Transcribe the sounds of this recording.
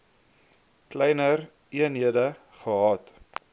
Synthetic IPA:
klɛjnər | iənɦiədə | χəɦɑːt

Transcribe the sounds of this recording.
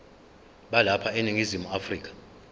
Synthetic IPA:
ɓalapʰaeniŋizimuafriːk̬ʰʼḁ

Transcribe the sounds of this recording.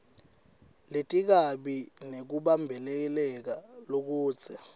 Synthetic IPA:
letʼik̬aɓinek̬uɓambʱɛlɛk̬ɛlɛk̬alok̬u̥ːzʰɛ

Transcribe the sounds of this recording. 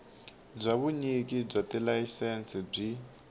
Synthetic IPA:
b͡ʐʷaβuɲik̬ib͡ʐatɛlaisɛnsɛb͡ʐi

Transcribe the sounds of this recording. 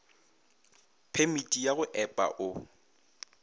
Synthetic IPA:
pʰemitʼijaɣʊʔɛpʼa̰ʔʊ

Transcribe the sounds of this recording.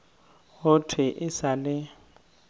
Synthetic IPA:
ɣʊtʰwɪʔɪsalɪ

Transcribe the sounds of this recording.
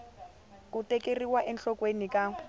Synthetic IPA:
k̬ʼutekʼeriwaʔɛnɬɔkʼwenikʼa

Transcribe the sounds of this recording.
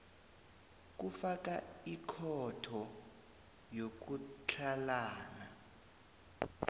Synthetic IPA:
k̬ʼufak̬ʼaikʰɔtʰɔ | jok̬ut͡ɬʰalaːna

